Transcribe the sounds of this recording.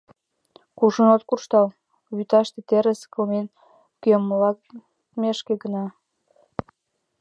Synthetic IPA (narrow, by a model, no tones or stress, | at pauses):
kuʒənot̪kurʃt̪ɑl | βyt̪ɑʃt̪ĕt̪eɾeskəlmen | kyəmlɑk | meʃkeɡənɑ